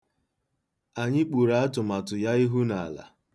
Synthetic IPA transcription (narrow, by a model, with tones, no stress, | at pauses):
a˨ɲɪ˦k͡pu˨ɾa˨a˦tʊ˨ma˨tʊ˨ja˦i˦ɦu˦na˨a̰˨la̰˨